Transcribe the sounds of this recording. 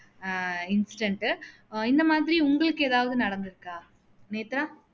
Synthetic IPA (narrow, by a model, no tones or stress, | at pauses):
ɪnsɪ̥ʈɐɳʈɯ | ɪnd̪ɐmaːðɪɾiʊŋɡɐɭɯkːɯeːðaːʋɐðɯnɐɽɐnd̪ɪɾɯkːaː | neːt̪ɾaː